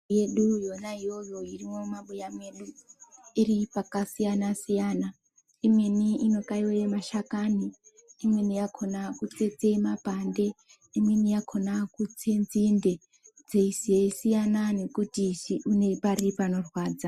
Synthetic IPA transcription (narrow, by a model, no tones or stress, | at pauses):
jeɗujo̞naijo̞jo̞irimo̞maɓujame̞ɗuiripakasijanasijaːna | imwe̞niino̞kaiwemaʃakani | imwe̞nijakʰo̞nakut͡se̞t͡se̞mapande̞ | imwe̞nijakʰo̞nakut͡senzinde̞ | d͡zeisieisijanane̞kutiiune̞paripano̞rwaːd͡za